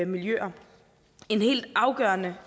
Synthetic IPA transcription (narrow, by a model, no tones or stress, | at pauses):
miljø̰ːɐ | e̝nhe̝̰ːld̥ɑ̈ʊɡ̥ɶːɐnə